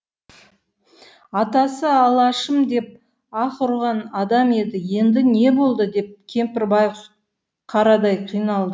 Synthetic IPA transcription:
ɑt̪ɑsəɑlˠɑʃəmd̪e̞p̚ | ɑqʊɾʁɑnɑd̪ɑme̞d̪ɪje̞nd̪ɪne̞bo̞lˠd̪əd̪e̞p̚kʲʰe̞mpɪɾbɑjəf | qʰɑɾɑd̪ɑjqʰijnɑlˠd̪ə

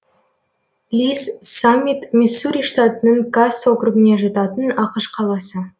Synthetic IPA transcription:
lʲissamʲːit̪mʲesːuɾʲijʂt̪at̪ənəɴɡasokɾuɡɪne̞ʒɑt̪ɑt̪ənɑqəʃqʰɑlˠɑsə

